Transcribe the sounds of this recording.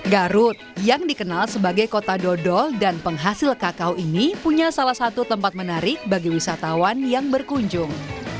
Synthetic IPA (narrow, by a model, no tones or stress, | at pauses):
ɡaɾʊt̪̚jaŋdikənalsəbaɡajkot̪adɔdɔldanpəŋɦasɪlkakawinipuɲasalahsat̪ut̪əmpat̪̚mənaɾɪk̚baɡiwisat̪awanjaŋbərkuɲd͡ʒʊŋ